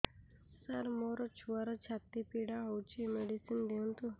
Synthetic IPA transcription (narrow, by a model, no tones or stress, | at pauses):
saɾmoɾɔt͡ɕʰuaɾɔt͡ɕʰat̪ipiɽaɦɔwt͡ɕimeɽisind̪ent̪u